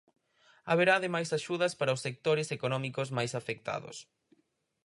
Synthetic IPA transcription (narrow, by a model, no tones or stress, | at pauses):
aβeɾaðemajsaʃuðɐspaɾɐaosːek̚t̪oɾɪsekonɔmikozmajsafek̚t̪a̰ðʊ̰s